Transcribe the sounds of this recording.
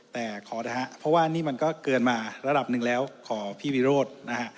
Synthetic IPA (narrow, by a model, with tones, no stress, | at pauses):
t̪ɛː˨˩kʰɔː˩˦ɾa˧˩ɦa˦˥ʔpʰɔ˦˥waː˥˩niː˥˩ma˧nkɔː˥˩kɤː˧nmaː˧ɾa˧da˨˩p̚nɯ˨˩ŋlɛː˦˥wkʰɔː˩˦pʰiː˥˩wiː˦˧˥ɾoː˥˩t̪̚na˦˥kʰa˦˥ʔ